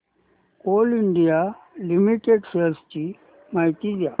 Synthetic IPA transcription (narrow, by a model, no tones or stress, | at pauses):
koːliɳɖijalimiʈeɖsest͡ɕi | maɦt̪id͡ʑa